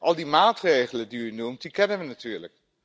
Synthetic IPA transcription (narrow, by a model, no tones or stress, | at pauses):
ʔɑlˠdimaːtrejχələdiynumt̚dikɛnəʋənatyːɹlə̰k̚